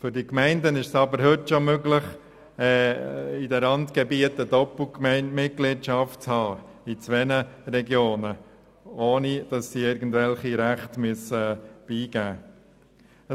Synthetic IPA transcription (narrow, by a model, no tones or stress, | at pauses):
fʏɾdikmɛɪndənɪʃsɑbəɾhɵtʃomøɡlɪχ | ɛːidəlɑntkɛbiətədɔpl̩kmɛɪnmɪt̚ɡliːtʃɑft̚t͡shɑː | it͡sʋɛnəɾɛɡjoːnə | oːnid̥ɑsːiɪɾɡən̩dvɛlχiɾæχtmyəsəb̥iːɡ̥æː